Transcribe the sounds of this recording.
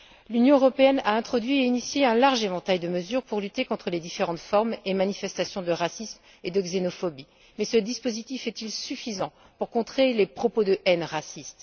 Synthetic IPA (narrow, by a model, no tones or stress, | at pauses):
lynjɔ̃øʁɔpeɛnaɛ̃t̪χɔd̪ɥieinisjeɛ̃laʁʒevɑ̃t̪ajd̪əməzyʁpuʁlyt̪ekɔ̃t̪χəled̪ifeʁɑ̃t̪fɔʁmemanifɛst̪asjɔ̃d̪əʁasism | ed̪əɡzenɔfɔbi | mɛsəd̪ispozit̪ifɛt̪ilsyfizɑ̃ | puʁkɔ̃t̪χelepχɔpod̪əʔɛnʁasist̪